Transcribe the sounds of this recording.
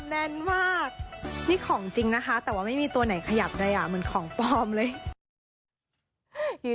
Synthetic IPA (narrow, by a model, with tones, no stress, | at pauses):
nɛ˧˥˩nmaː˥˩k̚niː˥˩kʰɔː˩˦ŋt͡ɕi˧ŋna˦˥kʰa˦˥t̪ɛː˨˩waː˥˩ma˥˩jmiː˧t̪u˧ɐna˨˩˦jkʰa˧ja˨˩p̚daː˧jʔa˨˩mɯ˩˦nkʰɔː˩˦ŋpɔː˧mlɤː˧j